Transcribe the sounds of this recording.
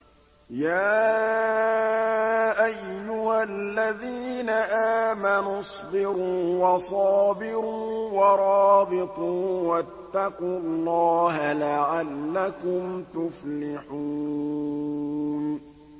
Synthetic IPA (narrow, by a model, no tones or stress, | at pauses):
jaː | ʔajːʊhalːaðiːnaʔaːmanʊsˤbɪɾuːwɑsˤɑːbɪɾuːwɑɾˤɑːbɪt̪ˤuːwat̪ːɑquɑlˤːɑːɦalaʕalːakʊmt̪ʊflɪħuː | n